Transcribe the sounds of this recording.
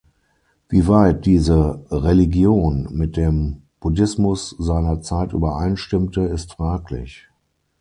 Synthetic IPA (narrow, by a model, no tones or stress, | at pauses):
v̥iːvaɪt̚d̥iːzəʁeliɡjoːnmɪt̚d̥eːm | b̥udɪsmʊszaɪnɐt͡saɪtʔy̰ːbɐʔaɪnʃtɪmtəɪstfʁ̥aːklɪ̰ç